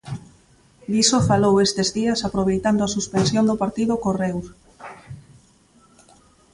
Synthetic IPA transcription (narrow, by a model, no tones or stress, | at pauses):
d̪isofalowest̪ezðiɐsapɾoβ̞ejt̪and̪oasuspensjond̪opaɾt̪iðʊkorɛwɾ